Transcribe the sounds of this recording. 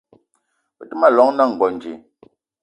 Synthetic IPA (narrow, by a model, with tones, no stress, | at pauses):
pə˨tɨ˦ma˦˨lɔ˨˦ŋna˦˨ŋ̩˨ɡɔ˨n˨d͡ʒi˨